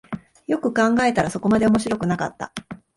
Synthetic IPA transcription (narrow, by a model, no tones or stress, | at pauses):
jo̞kɯ̟kãŋɡae̞t̪aɾasoko̞mad̪e̞o̞mo̞ɕiɾo̞kɯ̟nakat̪ːa̰